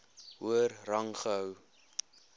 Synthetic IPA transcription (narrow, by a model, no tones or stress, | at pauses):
ɦuərrɐŋχəɦœw